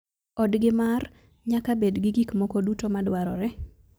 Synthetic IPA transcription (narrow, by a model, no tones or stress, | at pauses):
ɔdɡɪmar | ɲakabedɡɪɡikmɔkodutomadwaɾɔɾɛ